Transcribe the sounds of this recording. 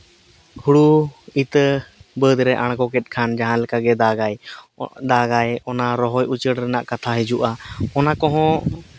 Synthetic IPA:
huɽuit̪bəd̪ɾɛʔaɽ̃kɔkɛt̪̚ˀkʰand͡ʒaɦãlɛkaɡɛd̪aɡaj | d̪aɡajɔnaɾɔɦɔjut͡ʃəɽɾɛnaʔkat̪ʰaɦɛd͡ʒuʔaɔnakɔɦɔ̃

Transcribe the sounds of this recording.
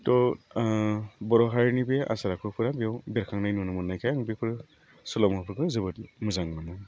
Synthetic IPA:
tɔ | bɔɾɔɦaɾnibea̰saɾakʰɯpʰɯɾabijawbeɾkʰaŋnajnunɯmunːajkʰajaŋbepʰɯɾ | sulɔmapʰɯɾkʰɯzɯbɯt̚mɯzaŋmanɯ

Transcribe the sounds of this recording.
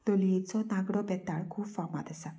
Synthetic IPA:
loliet͡sɔnaɡɽɔpɛt̪aɭkʰuːbfama̰d̪əsa

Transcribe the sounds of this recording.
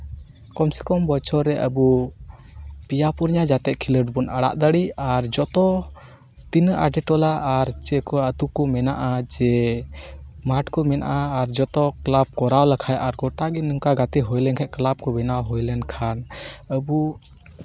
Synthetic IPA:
kɔmsɛkɔmbɔt͡ʃʰɔɾɛʔəbu | pijapuɾɲad͡ʒat̪ɛʔ̚kʰiləɖbunaɽa̰ʔd̪əɽiaɾd͡ʒɔt̪ɔ | t̪inəʔaɖɛʈɔlaʔːɾt͡ʃɛkɔət̪ukɔmɛnaʔad͡ʒɛ | maʈkɔmɛna̰ʔaːɾd͡ʒɔt̪ɔklab̚kɔɾawlakʰajʔaɾɡɔʈaɡɛnəŋkaɡat̪ɛɦɔjlɛnkʰɛʔ̚klab̚kɔbɛnawɦɔjlɛnkʰanəbu

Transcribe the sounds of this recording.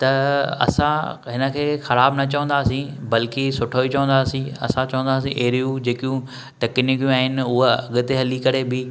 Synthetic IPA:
t̪ɐɐ̰sãɦɪnə̆kʰeːxɐɾaːbnɐt͡ɕɐʋə̃nd̪aːsĩbɐlkisʊʈʰoːit͡ɕɐʋə̃nd̪aːsĩɐ̰sãt͡ɕɐʋə̃nd̪aːsĩʔeɦɾijũd͡ʑeːkjũ | ʈ̪ɐknikjũaːɦɪnɪ̆ʊɦɐ̰ɠʊt̪eɦɐlikɐɾebɪ

